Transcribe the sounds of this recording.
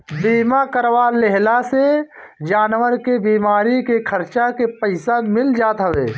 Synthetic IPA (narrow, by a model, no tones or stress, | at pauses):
biːmakəɾʋaːleɦlased͡ʒaːnʋəɾkebiːmaːɾikekʰəɾt͡ʃakepəɪsamɪld͡ʒaːt̪ɦəʋeː